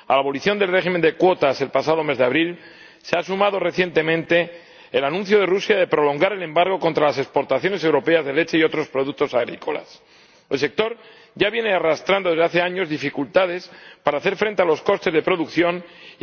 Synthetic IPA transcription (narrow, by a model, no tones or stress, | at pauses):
alaβo̞liθjo̞nd̪elre̞ximend̪e̞kwo̞t̪ase̞lpasaðo̞me̞zðeaβɾil | seasumaðo̞re̞θje̞nt̪e̞mẽnt̪e̞ː | lanũnθjoðe̞rusjaðe̞pɾo̞lo̞ŋɡaɾe̞lẽ̞mbaɾɣ̞o̞kont̪ɾalase̞kspo̞ɾt̪aθjo̞nese̞wɾo̞pe̞azðe̞le̞t͡ʃe̞io̞t̪ɾo̞spɾo̞ðuk̚t̪o̞saɣɾiko̞̰la̰s | e̞lse̞k̚t̪o̞ɾ | ɟ͡ʝaβjene̞arast̪ɾand̪oezðaθe̞aɲo̞zðifikult̪aðe̞spaɾaːθe̞ɾfɾe̞nt̪e̞alo̞sko̞st̪e̞zðe̞pɾo̞ðukθjo̞n